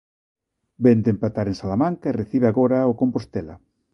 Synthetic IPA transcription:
bend̪empat̪aɾensalamãŋkaereθiβeaɣoɾaokompost̪ɛlɐ̰

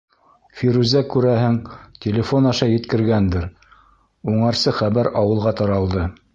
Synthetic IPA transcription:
fiɾʉzækʉɾæhɘŋtʲelʲɪfonɑʃɑjɘ̆t̪kɘ̆ɾɡænd̪ɘɾ | uɴɑɾsɤχæβæɾɑwɤ̆lˠʁɑt̪ɑɾɑlˠd̪ɤ

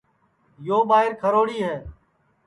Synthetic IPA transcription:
joːɓaːɦɪɾkʰəɾoːɽiːɦɛː

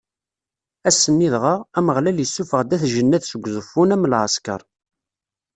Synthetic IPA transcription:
æsːənːiðʁəʁæməʁlæljəsːufəʁd̪æθʒənːæðsəɡʷːzˤəfːunæmːlʕəskə̰ɾˤ

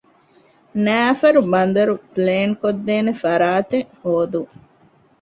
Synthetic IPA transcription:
næːfɐɾubɐnd̪ɐɾupleːŋkod̪ːeːnefɐɾaːt̪ehoːd̪u

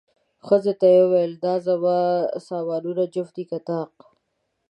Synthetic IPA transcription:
xəzet̪ajewejld̪ɑːzawasɑːwɑːluɾad͡ʒʊft̪ikat̪ɑːq

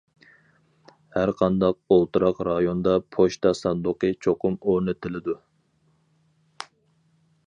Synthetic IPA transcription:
hæɾqʰɑnd̪ɑq̚olˠt̪ʰɨɾɑqɾɑjond̪ɑpʰoʃt̪ɑsɑnd̪ʊqət͡ʃʰoqʰʊmoɾnɪt̪ʰɪlɪd̪u

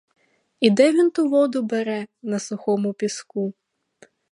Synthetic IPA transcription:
id̪ɛʋʲint̪uʋɔd̪ʊbɛɾɛnɐsʊxɔmʊpʲisku

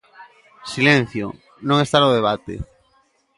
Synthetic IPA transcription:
silen̟θjo̰ | nõŋest̪anoðeβ̞at̪ḛ

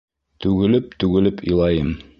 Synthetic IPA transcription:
t̪ʉɡɘ̆lɘp̚t̪ʉɡɘ̆lɘpŏjlˠɑjɤm

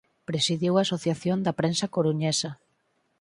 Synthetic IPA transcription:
pɾesiðjiwaːsoθjaθjond̪ɐpɾensɐkoɾuɲesɐ

